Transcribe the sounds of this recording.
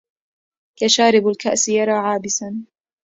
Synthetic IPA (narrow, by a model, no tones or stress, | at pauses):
kaʃaːɾɪbalkaʔsjɑɾˤɑːʕaːbɪsan